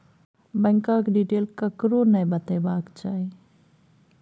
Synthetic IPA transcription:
bəŋkãkɖiːʈeːlkəkɾonəjbət̪ebaːkt͡ʃaːi

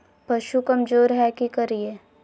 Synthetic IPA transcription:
pɐʃukɐmd͡ʒoːɾɦɛkikɐɾieː

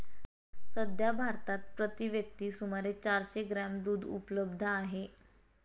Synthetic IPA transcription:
səd̪ʱjabʱaɾt̪at̪̚pɾət̪iʋjək̚t̪iːsumaɾet͡ɕaɾt͡ɕeɡɾamd̪uːd̪ʱṵpləbd̪ʱəaɦe

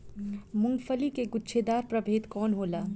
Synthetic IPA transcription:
mʊ̃ŋɡfʰəlikeɡʊtːʃʰed̪aːɾpɾɐbʱeːt̪kɔːnɦoːlaː

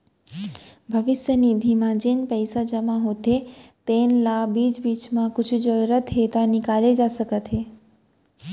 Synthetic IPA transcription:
bʱəʋɪsjənid̪ʱimãd͡ʒenpəjsad͡ʒəmãɦot̪ʰet̪enlabid͡ʒbit͡ʃmãkʊt͡ʃʰud͡ʒəɾət̪ɦet̪anikaled͡ʒasəkət̪ʰe

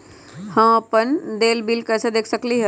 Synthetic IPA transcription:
hə̃apənd̪eːlbilkɛːsed̪eːkʰsəkliɦɛ

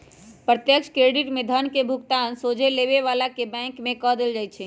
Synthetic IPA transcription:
pɾət̪jəkt͡ʃʰkɾeɖiʈmed̪ʱənkebʱukt̪ansod͡ʒʱeleβeʋalakebɛ̃ŋkmẽkɔɦd̪eld͡ʒajt͡ʃʰɛ

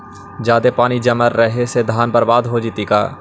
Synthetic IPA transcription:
d͡ʒjaːd̪epaːnid͡ʒɐməɾːəɦesed̪ʱaːnpəɾʋaːd̪ɦod͡ʒit̪ika̰ː

